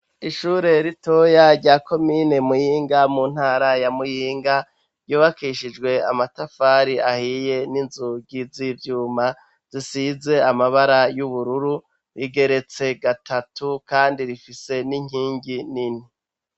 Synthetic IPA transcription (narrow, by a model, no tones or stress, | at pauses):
iʃuɾe̞ɾito̞jaɾɟaːko̞mine̞mujiːŋɡamuːn̥haːɾajamujiːŋɡa | ɾjuːβakiʃid͡ʒɡwe̞a̰matafaːɾiʔahiːje̞ninzuɡizivjuːma | z̥isize̞amaβaɾajuβuɾuɾu | ɾiɡe̞ɾe̞t͡se̞ɡatʰatukaːndiɾifise̞niŋ̥iːŋɡinini